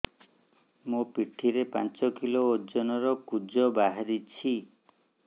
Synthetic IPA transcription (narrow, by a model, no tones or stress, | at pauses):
mupiʈʰiɾepa̰nt͡ʃɔkiloːd͡ʒɔnɔɾɔkud͡ʒɔbaɦaɾit͡ʃʰi